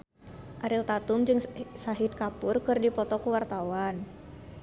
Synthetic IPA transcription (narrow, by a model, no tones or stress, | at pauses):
ʔaɾilt̪at̪ʊmd͡ʒɨŋsaɦit̪̚kapʊrkɨrdipɔt̪ɔkuwart̪awan